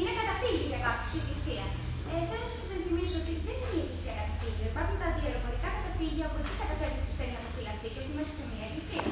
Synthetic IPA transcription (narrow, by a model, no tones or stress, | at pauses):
inekɐt̪ɐfiliʝɐkɐpçu̥seklisiɐ | eθelonɐsɐsipe̞nθimisoo̞t̪iðeninieklisiɐkɐt̪itit̪ioipɐunt̪ɐðieɾovoɾikɐkɐt̪ɐfiʝiɐpuet̪ikɐt̪ɐfeɾut̪useɾinɐpofilɐft̪iceot̪iimɐsɐ̥semiɐeklisiɐ